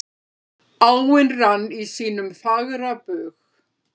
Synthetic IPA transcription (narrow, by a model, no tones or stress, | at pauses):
alwɪnranːisiːnʏmθaɣɾapʏːɣ